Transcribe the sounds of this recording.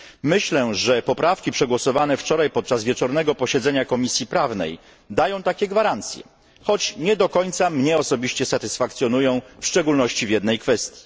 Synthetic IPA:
mɘɕlɛʐɛpɔpɾafkʲipʂɛɡwɔsɔvanɛft͡ʂɔɾajpɔt̪̚t͡ʂazvʲjɛt͡ʂɔɾnɛɡɔpɔɕɛd̪zɛɲakɔmʲisʲjipɾavnɛ̰j | d̪ajɔ̃w̃t̪akʲɛɡvaɾant̪sʲjɛ̰ | xɔt͡ɕɲɛd̪ɔkɔɲt̪samɲɛɔsɔbʲiɕt͡ɕɛsat̪ɘsfakt̪sʲjɔnujɔ̃w̃fʂt͡ʂɛɡulnɔɕt͡ɕivʲjɛd̪nɛjkfɛst̪ʲji̥

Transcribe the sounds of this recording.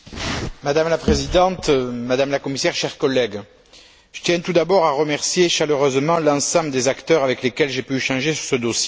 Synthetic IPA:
mad̪amlapχezid̪ɑ̃t̪mad̪amlakɔmisɛʁʃɛʁkɔlːɛɡ | ʒ̥ət̪jɛ̃t̪ud̪abɔʁaʁəmɛʁsjeʃaløʁøzmɑ̃lɑ̃sɑ̃bləd̪ezakt̪œʁavɛklekɛlʒepyʃɑ̃ʒesy̥ʁsəd̪osje

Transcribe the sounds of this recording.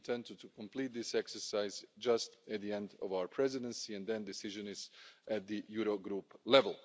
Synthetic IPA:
tʰɛ̃nttukɔ̃mpliːt̪̚d̪ɪsɛksə˞saɪzd͡ʒʌstæt̪̚ðiɛ̃ndɔvaʊə˞pʰɹɛzɪdə̃nsiɛ̃ndd̪ɛ̃ndɪsɪʒɨ̃nɪzʔæt̪̚d̪ɨjuɾoɡɾuplɛvəlˠ

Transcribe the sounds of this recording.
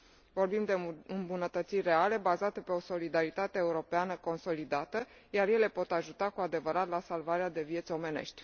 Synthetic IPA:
vo̞rbimd̪eɨmbunət̪ət̪sirʲre̞ale̞bazat̪əpe̞o̞so̞lid̪aɾit̪at̪eːuɾo̞peanəko̞nso̞lid̪at̪ə | jarje̞le̞po̞t̪aʒut̪akuad̪e̞vəɾat̪lasalvaɾead̪e̞vje̞t̪sʲo̞me̞ne̞̰ʃt̪ʲ

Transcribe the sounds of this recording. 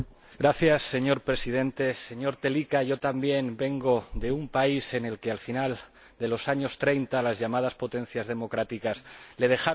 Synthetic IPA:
ɡɾaθjasːe̞ɲo̞ɾpɾe̞siðẽ̞nt̪e̞se̞ɲo̞ɾt̪e̞likaʝo̞t̪ambje̞nbe̞ŋɡo̞ðe̞umpaise̞ne̞lkealfinal | d̪e̞lo̞saɲo̞st̪ɾe̞jnt̪alazʝamað̞aspo̞t̪ẽ̞n̟θjazðe̞mo̞kɾat̪ikasle̞ð̞e̞xa

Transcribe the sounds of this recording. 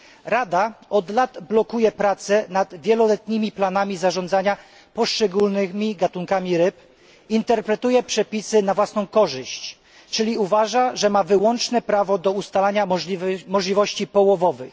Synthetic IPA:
ɾad̪aɔd̪lad̪blɔkujɛpɾat̪sɛnad̪vʲjɛlɔlɛt̪ɲimʲiplanamʲizaʐɔ̃nd̪zaɲa | pɔʂt͡ʂɛɡulnɘmʲiɡat̪uŋkamʲiɾɘp | int̪ɛɾpɾɛt̪ujɛpʂɛpʲisɘnavwasnɔ̃w̃kɔʐɘɕt͡ɕ | t͡ʂɘlʲiuvaʐaʐɛmavɘwɔnt͡ʂnɛpɾavɔd̪ɔust̪alaɲamɔʐlʲivɔɕt͡ɕipɔwɔvɔvɘx

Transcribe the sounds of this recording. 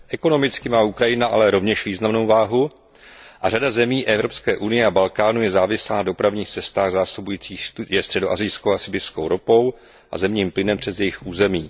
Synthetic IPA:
ʔɛko̞no̞mɪt͡skɪmaːʔukɾajɪnaʔa̰lɛɾo̞vɲɛʃviːznamno̞wvaːɦu | ʔaradazɛmiːʔɛvɾo̞pskɛːʔunɪjɛabalkaːnujɛzaːvɪslaːnado̞pɾavɲiːxt͡sɛst̪aːɣzaːsubujiːt͡siːxjɛst̪r̝̥ɛdo̞ʔazɪjskowasɪbɪfskowɾopo̞w | ʔa̰zɛmɲiːmplɪnɛmpr̝̥ɛzjɛjɪxʔuːzɛmiː

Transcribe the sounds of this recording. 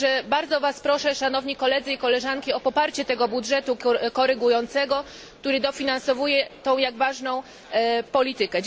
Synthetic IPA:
ʐɛbaɾd̪zɔvaspɾɔʂɛʂanɔvɲikɔlɛd̪zɘikɔlɛʐankʲiɔpɔpaɾt͡ɕɛt̪ɛɡɔbudʐɛt̪ukɔɾɘɡujɔnt̪sɛɡɔ | kt̪uɾɘd̪ɔfʲinansɔvujɛt̪ɔ̃w̃jaɡvaʐnɔ̃w̃ | pɔlʲit̪ɘkɛd͡ʑ

